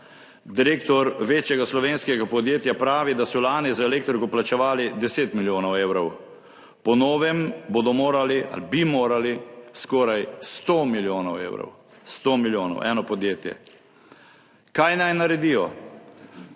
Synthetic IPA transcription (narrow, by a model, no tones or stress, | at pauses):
d̪iɾeːkt̪ɔɾʋeːt͡ʃjɛɡaslɔʋeːnskɛɡapɔd̪jeːt̪japɾaːʋid̪asɔlaːnizaɛleːk̚t̪ɾikɔplat͡ʃɛʋaːlid̪ɛseːt̪miljoːnɔweːwɾɔw | pɔnɔːʋɛmbod̪ɔmoːɾaliʔa̰libimoːɾaliskɔːɾajst̪oːmiljoːnɔwḛːwɾɔ̰w | st̪omiljoːnɔ̰wʔɛ̰ːnɔpɔd̪jeːt̪jɛ̰ | kajnajnaɾɛd̪ijɔ